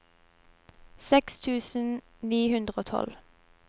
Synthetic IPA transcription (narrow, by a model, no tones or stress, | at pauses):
sɛkst̪ʰʉːsn̩ | niːhʉnd̪ʁəoːt̪ʰɔ̰l